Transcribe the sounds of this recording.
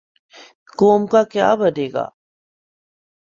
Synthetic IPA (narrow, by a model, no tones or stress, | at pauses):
koːmkakja̰ːbəd̪eːɡa̰ː